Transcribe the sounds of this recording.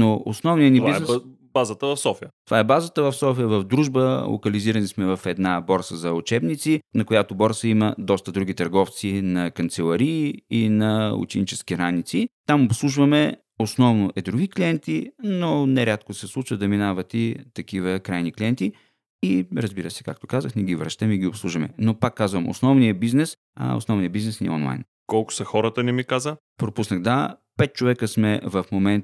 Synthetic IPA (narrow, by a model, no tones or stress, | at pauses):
noosnɔvnijənibiznɛ | bazət̪əvɐfsɔfiət̪ovaɛbazət̪əvɐfsɔfijəvɐvd̪ɾuʒbəlˠo̰kɐliziɾɐnismɛvɐfɛd̪nabɔɾsəzɐʊt͡ʃɛbnit̪sinɐkʊjat̪obɔɾsəimɐd̪ɔst̪əd̪ɾuɡ̟it̪ɐɾɡɔft̪sinɐkɐnt̪sɛlˠɐɾiinɐṵt͡ʃɛnit͡ʃɛskiɾanit̪sit̪amopslˠuʒvɐmɛ | osnɔvnoʔɛd̪ɾuɡʲikliɛnt̪inonɛɾʲat̪kosɛslˠut͡ʃvəd̪ɐminavɐt̪it̪ɐkivəkɾajniklʲiɛnt̪i | iɾɐzbiɾəsɛ̥kak̚t̪o̥kazəxnɛɡʲivɾɐʃt̪əmiɡʲiopslˠuʒvɐmɛ̰nopakːazvəmʔo̰snɔvnijəbiznɛs | a̰o̰snɔvnijəbiznɛsniɔ̰nlˠa̰jn | kɔlˠkʊ̥sɐxɔɾət̪ənɛmikazə | pɾopusnəxd̪apɛt̪̚t͡ʃovɛkəsmɛvɐfmomɛnt̪